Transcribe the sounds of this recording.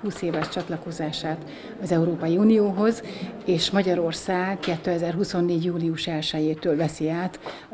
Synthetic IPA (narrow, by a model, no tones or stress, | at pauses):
huːseːvɛʃt͡ʃɒt̪lɒko̞zaːʃaːt̪ | ɒzɛuɾoːpɒjiunijoːɦo̞zeːʃmɒɟɒɾo̞rsaːɡkɛt̪ːøːɛzɛrɦuso̞nːeːɟjuːliuʃɛlʃɛjeːt̪øːlvɛsiaːt̪